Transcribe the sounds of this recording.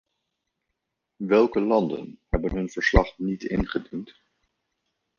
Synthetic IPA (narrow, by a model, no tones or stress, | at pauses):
ʋɛlˠkəlɑndə̰nhɛbənɦɵnv̥əɹslɑχnitɪnχədint